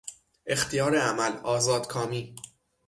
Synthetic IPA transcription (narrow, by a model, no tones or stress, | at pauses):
ʔe̞xt̪ʰijɒːɾeæmælɒːzɒːd̪̥kʰɒːmiː